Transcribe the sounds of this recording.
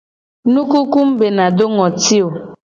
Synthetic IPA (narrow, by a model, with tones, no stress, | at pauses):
nũ˦ku˦ku˦m̩˦be˨na˨do˦ŋɔ˨ti˦o˨